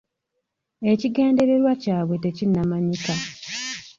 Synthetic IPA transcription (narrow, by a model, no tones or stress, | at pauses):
e̞ciɡe̞ːnde̞ɾe̞ɾwacaːβwe̞te̞cinːamaɲika